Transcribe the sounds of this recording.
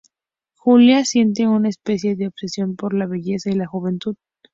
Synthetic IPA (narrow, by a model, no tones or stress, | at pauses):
xuljasje̞nt̪̬eunaespe̞sje̞ðeoβsesjo̞mpo̞ɾlaβe̞ʝe̞sailaxuβe̞nt̪uð